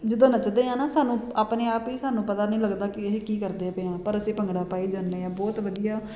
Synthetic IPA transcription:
d͡ʒɪd̪õːnət͡ʃd̪eːɦãːnaːsaːnũːaːpneːaːpiːsaːnũːpət̪aːnəĩːləɡd̪aːkɪɦekiːkəɾd̪eːpeãːpəɾəsẽːpəŋɡɽaːpaːiːd͡ʒaːnːeːãːbɔːt̪ʋəd̪ijaː

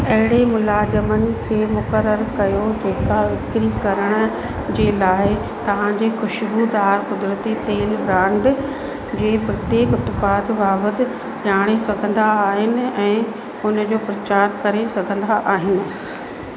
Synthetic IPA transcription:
ɐɦɪɽemʊlaːzəmənɪ̆kʰeːmʊkəɾːəɾkɐjod͡ʑeːkaʋɪkɾikɐɾəɽ̃ʊ̆ | d͡ʑeːlaːɪ | t̪ɐʋ̤ãd͡ʑeːxʊʃbuːd̪aːɾkʊd̪ɾət̪it̪eːlbɾãːɳɖ | d͡ʑeːpɾɐt̪jeːkʊt̪paːd̪baːʋət̪ɪ̆ | ɗaːɽ̃esɐɡʱə̃nd̪aːɦɪnɪ̆ɛ̃ː | ʊnə̆d͡ʑoːpɾɐt͡ɕaːɾkɐɾesɐɡʱə̃nd̪aʔaːɦɪnɪ̆

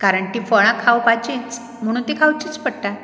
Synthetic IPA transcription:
kaɾəɳʈifəɭ̃ãkʰawpat͡ɕit͡s | m̤əɽ̃uːnt̪ikʰawt͡ɕit͡spəɽʈa

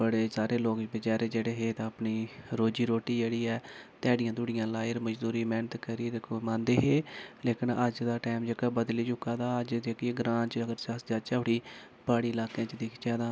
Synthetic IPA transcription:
bəɽeːsaːɾeːloːkbət͡ʃaːɾeːd͡ʒeːɽeːɦeːt̪ãəpniːɾoːd͡ʒiːɾoːʈiːd͡ʒeːɽiːɛːt̪ɛːɽɪjãːd̪ʊɽɪjãːlaːjəɾməd͡ʒd̪uːɾiːmɛːnət̪kəɾiːd̪ekʰomãːnd̪eːɦeːleːkɪnəd͡ʒd̪aːʈaːmd͡ʒəkaːbəd̪liːd͡ʒʊkːaːd̪aːəd͡ʒd̪eːkːɡɾãːnt͡ʃəɡəɾsəsd͡ʒaːt͡ʃaːʊɽiː | baːɽiːɪlaːkãːt͡ʃd̪eːkʰt͡ʃɛːd̪ãː

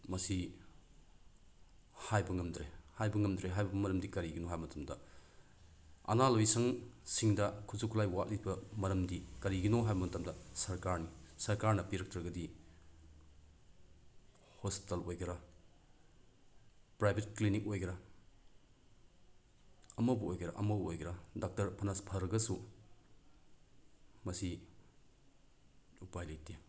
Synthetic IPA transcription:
mɐsi | hajbɐŋɐmdɾehajbɐŋɐmdɾeɦajbɐɐmɐɾɐmdikɐɾiɡinoɦajbɐmɐtʰɐmdɐ | ɐ̰nalojsɐŋsiŋdɐkʰuzukʰulajwat̚libɐmɐɾɐmdikɐɾiɡinoɦajbɐmɐtɐmdɐsɐɾkaɾnisɐɾkaɾnɐpiɾɐk̚tɐɾɡɐdi | hospi̥tɐlojɡɾa | pɾajbʱet̚klinik̚ojɡɾɐ | ɐmɐbɐojɡɐɾɐ̰ʔɐ̰mɐbojɡɾɐdak̚tɐɾpʰɐnaspʰɐɾɐɡɐsu | mɐsi | upajlajtʰe

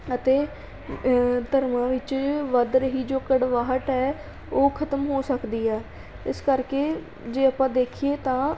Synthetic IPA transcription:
ət̪eː | d̪əɾmãːʋɪt͡ʃʋəd̪ɾəɦiːd͡ʒoːkəɽʋaːɦəʈ̪ɛː | oːkʰət̪əmɦoːsəkd̪iːɛː | ɪskəɾkeː | d͡ʒeːəpãːd̪eːkʰieːt̪ãː

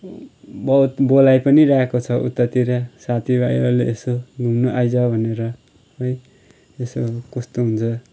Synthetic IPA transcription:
bʌut̪bolajpʌniɾaɦekot͡sʰʌʔṵt̪ːʌt̪ːiɾasat̪ʰibaj̰aleʔesoɡʱumnuʔajd͡zʌbʱʌneɾʌ | ɦʌj | esokʌst̪oɦunt͡sʰʌ

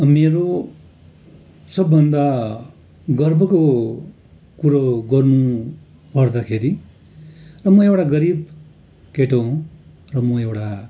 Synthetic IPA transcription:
ʌmeɾo | sʌbːʌnd̪a | ɡʌrbʱʌko | kuɾoɡʌrnu | pʌrd̪akʰeɾi | rʌmʌewʈaɡʌɾib | keʈõ | rʌmʌewʈa

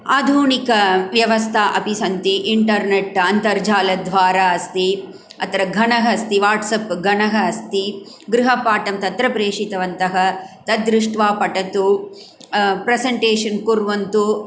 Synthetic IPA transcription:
aːd̪ʱuːnikɐʋjɐʋɐst̪ʰaːʔɐpisɐnt̪iʔiɳʈɐɾneʈɐnt̪ɐɾd͡ʒaːlɐd̪ʱʋaːɾaːɐst̪i | ɐt̪ɐɾɐɡʱɐnɐɦɐst̪iʋaːʈsɐpɡʱɐnɐɦɐɐst̪i | ɡɾuɦɐpaːʈɐmt̪ɐt̪ɾɐpɾeːʂit̪ɐʋɐnt̪ɐɦɐt̪ɐd̪ɾuʂʈʋaːpɐʈɐt̪u | pɾɐsɐɳʈeːʂɐnkuɾʋɐnt̪u

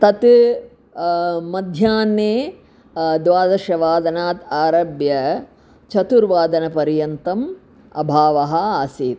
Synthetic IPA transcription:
t̪ɐt̪ | mɐd̪ʱjaːnːeː | d̪ʋaːd̪ɐʃɐʋaːd̪ɐnaːt̪aːɾɐbjɐ | t͡ʃʰɐt̪uɾʋaːd̪ɐnɐpɐɾjɐnt̪ɐm | ɐ̰bʱaːʋɐɦɐaːsiːt̪

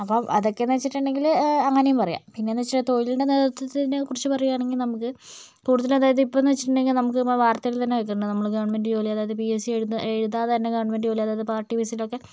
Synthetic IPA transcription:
ɐpːoʔɐðo̞kːe̞net͡ɕːiʈːɨɳɖe̞ŋɡilɐŋːɐnejumpɐrɐja̰ːmpinːenet͡ɕːiʈːt̪o̞jiluɳɖe̞neːðɐt̪ːɐt̪ːiinekurit͡ɕːɨpɐrɐjuaːɳe̞ŋɡilnɐmukːɨ | kuːɽuðɐlɐðaːjɐðipːonɐt͡ɕːiʈːuɳɖe̞ŋɡilnɐmukːɨʋaːrt̪ɐjilt̪ɐnːeɐkːɐɳɖɨnɐmːɐɭɡɐʋɐɳmenɖɨd͡ʑoːliɐðaːɐðɨpiesieɻunːɨeɻuðaðnːeɡɐʋɐɳme̞nɖɨd͡ʑoːlijɐðaːjɐðɨpaːrʈːipisilokːe

